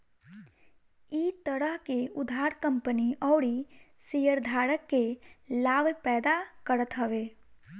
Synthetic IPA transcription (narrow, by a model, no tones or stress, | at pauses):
iːt̪əɾəɦkeʊd̪ʱaːɾkə̃mpəniʔɔːɾisijəɾd̪ʱaːɾəkːelaːbpɛːd̪akəɾət̪ɦəʋeː